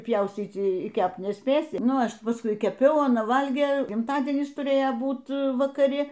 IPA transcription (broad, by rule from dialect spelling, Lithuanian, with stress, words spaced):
ˈpʲjɛʊsʲt͡sʲiːt͡s iː ˈkʲɛpt nʲɛsʲˈpʲeːsʲɪ ˈnʊ ˈɐʃ pɐsˈkʊɪ kʲɛˈpʲɛʊ ɐˈnɐ ˈʋɐlʲɡʲeː ɡʲɪmtɐˈdʲiɛnʲɪs tʊˈrʲeːjoː ˈbuːt ʋɐkɐˈrʲɪ